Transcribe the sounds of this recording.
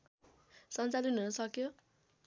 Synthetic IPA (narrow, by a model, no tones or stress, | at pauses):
sʌnt͡salinunʌsʌkjo